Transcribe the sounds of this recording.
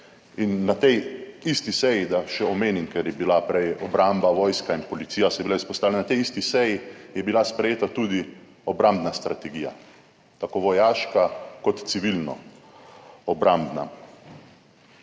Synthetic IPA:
inːat̪ɛjist̪isɛjid̪aʃɛɔmeːninkɛɾjɛbilapɾɛjɔbɾambaʋɔːjskainpɔlit̪siːjasɛjɛbilaispɔst̪aʋlenanat̪ɛjist̪isɛjijɛbilaspɾɛjeːt̪at̪ud̪i | ɔbɾamd̪nast̪ɾat̪ɛɡiːja̰ | t̪akoːʋɔjaːʃkakɔt̪t̪siʋilnɔ̰ | ɔbɾambna̰

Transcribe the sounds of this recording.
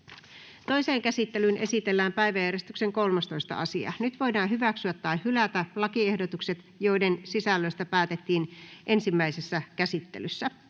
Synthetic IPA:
t̪o̞ise̞ːŋkæsit̪ːe̞lynʔe̞sit̪e̞lːæːmpæijʋæjːæɾiest̪ykseŋko̞lmɑst̪o̞ist̪ɑ̰ʔɑsiɑ̰nyt̪ʋo̞jdɑːɦyʋæksyæt̪ːɑihylæt̪ælɑkie̞hdot̪ukse̞t̪ | jo̞idensisælːøist̪æpæːt̪et̪ːiːnʔe̞nsimːæisesːækæsit̪ːḛlysːæ

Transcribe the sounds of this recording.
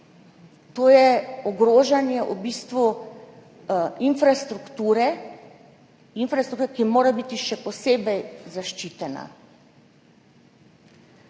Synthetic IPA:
t̪oːjɛɔɡɾoːʒanjɛʔubiːst̪ʋu | infɾast̪ɾukt̪uːɾɛ | infɾasɾukt̪uːɾkimoːɾabit̪iʃɛpɔseːbɛjzaʃt͡ʃiːt̪ɛna̰

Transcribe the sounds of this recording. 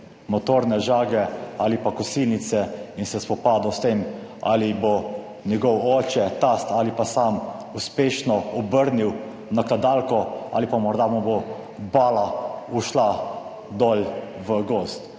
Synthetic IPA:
mɔt̪oːɾnɛʒaːɡɛalipakɔsiːnit̪sɛinsɛspɔpaːd̪ɔst̪ema̰libo | njɛɡɔwɔt͡ʃɛt̪ast̪alipasamuspeːʃnɔɔbəɾniw | nakad̪alkɔa̰lipamɔɾd̪abobo | baːlauʃla | d̪ɔlʋəɡost̪

